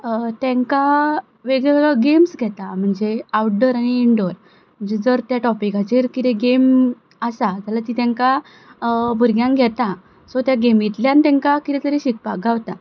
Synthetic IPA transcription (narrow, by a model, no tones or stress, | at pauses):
t̪ɛ̃ŋka | ʋeɡeɛɭəɡemsɡʱɛt̪am̤əɳd͡zeawɖəɾaɽ̃iːɳɖoɾ | m̤əɳd͡zed͡zəɾt̪jaʈɔpikat͡ɕeɾkit̪eɡem | əsad͡zalat̪it̪ɛ̃ŋka | bʱuɾɡjãŋɡʱɛt̪a | sot̪jaɡemjit̪ljãnt̪ɛ̃ŋkakit̪ɛt̪əɾeɕik̚paɡaʋt̪a